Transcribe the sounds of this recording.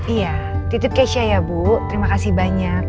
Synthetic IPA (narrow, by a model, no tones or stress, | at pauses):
ijat̪it̪ɪp̚kaʃiajabut̪əɾimakasibaɲak̚